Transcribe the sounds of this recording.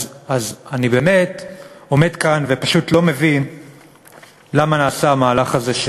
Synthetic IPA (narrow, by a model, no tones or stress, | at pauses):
azanibeme̞to̞me̞dkanvepaʃutlo̞me̞vin | lamanaːsaamaːlaχaze̞ʃ